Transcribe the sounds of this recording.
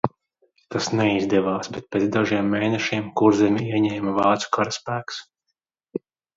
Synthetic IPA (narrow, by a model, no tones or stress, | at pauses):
t̪asnɛizd̪ɛʋaːsbɛt̪̚pʲeːd̪aʒiɛmːeːnɛʃiɛmkuɾzɛmʲiiɛɲɛːmɐvɑːt̪su̥kaɾaspæːks